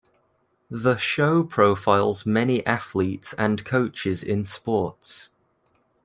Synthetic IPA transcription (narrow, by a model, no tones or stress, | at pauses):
ðəʃəʊpʰɹ̥əʊfaɪlˠzmɛniʔaθliˑtsə̃nkʰoʊt͡ʃɪzɪ̰̃nspɔˑts